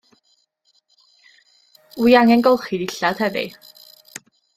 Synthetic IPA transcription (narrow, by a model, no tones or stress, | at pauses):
wiaŋɛnɡɔlˠχidɪɬad̥hɛvɪ̰